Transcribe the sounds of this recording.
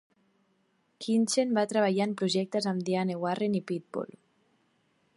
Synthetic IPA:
kʰint͡ʃenbat̪ɾəβ̞aʎaempɾuʒɛk̚t̪əzamd̪ianewarenipit̪̚bo̰l

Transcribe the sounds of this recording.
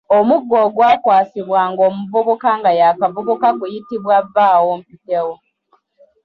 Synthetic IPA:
omuɡːoːɡwaːkwaːsiβwaːŋɡo̞ːmuvuβukaŋɡajakavuβukaɡujitiβwavaːwoːmpidewo

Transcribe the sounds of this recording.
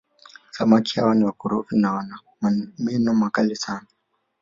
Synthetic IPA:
samakʰia̰wanɛwakʊɾofinawana | mmɛnɔmakalɪsaːna

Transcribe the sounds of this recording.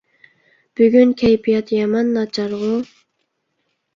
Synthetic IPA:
b̥yɡʲynkʲʰɛjpʰijɑt̪jɑmɑnːɑt͡ʃʰɑɾʁʊ

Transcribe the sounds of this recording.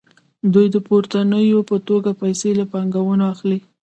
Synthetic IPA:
d̪ujd̪əpoɾt̪anəjopət̪oɡapajselapɑŋɡawənoaxli

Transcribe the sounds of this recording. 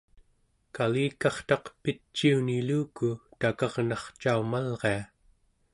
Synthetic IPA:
kaliːkɑχt̪ɑqpit͡ʃːiuniluːkut̪akɑʁnɑχt͡ʃaumalʁe̞a

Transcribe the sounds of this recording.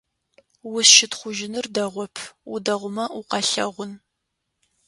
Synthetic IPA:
wʊsʃɪtχʷʊʒɪnɨrdɐʁʷɔpʰudɐʁʷʊmɐʊqɑɬɐʁʷʊn

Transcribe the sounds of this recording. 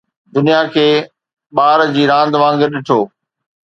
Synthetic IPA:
d̪ʊnijakʰeː | ɓaːɾd͡ʑiːɾãːn̆d̪ʋãːŋɡɪɾɗɪʈʰoː

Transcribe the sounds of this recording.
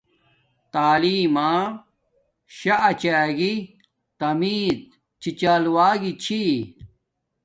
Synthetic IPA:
t̪aːliːmaː | ɕaʔt͡ɕaːɡi | t̪ɐmiːd̪̚ | t͡ɕʰit͡ɕaːluwaːɡit͡ɕʰi

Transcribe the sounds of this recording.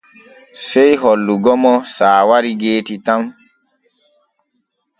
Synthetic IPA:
sejɦɔlːuɡɔmɔsaːwaɾiɡeːtitam

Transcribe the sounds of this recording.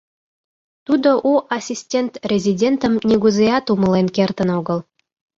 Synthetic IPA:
t̪ud̪oʔuʔasʲisʲtʲent̪rʲezʲidʲent̪ə̆mnʲeɡuzejɑt̪umə̆lenkert̪ə̆noɡə̆lˠ

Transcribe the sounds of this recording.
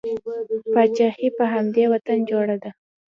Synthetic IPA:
pɑt͡ʃahipəɦamd̪ewat̪and͡ʒoɽad̪a

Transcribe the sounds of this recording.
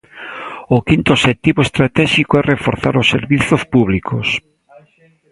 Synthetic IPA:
ʊkint̪ʊoʃet̪iβoest̪ɾat̪ɛʃikoɛrefoɾθa̰ɾosːeɾβiθospuβlikʰos

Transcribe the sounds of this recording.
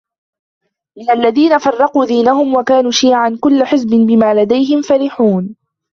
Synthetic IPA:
mɪnalːaðiːnafɑrˤːɑquːd̪iːnaɦʊmwakaːnuːʃiːʕankʊlːaħɪzbɪnbɪmaːlad̪ajɦɪmfaɾɪħuːn

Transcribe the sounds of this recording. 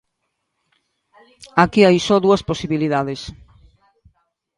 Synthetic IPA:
akiajsɔðuɐsposiβiliðaðes

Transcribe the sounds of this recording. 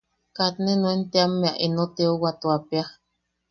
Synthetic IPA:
kat̪nenoent̪eamːeaʔinot̪eowat̪uapja

